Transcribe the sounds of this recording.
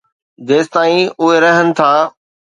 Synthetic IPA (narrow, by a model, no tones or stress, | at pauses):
d̪eːst̪aːĩʊɦeɾɐɦənɪ̆t̪ʰaː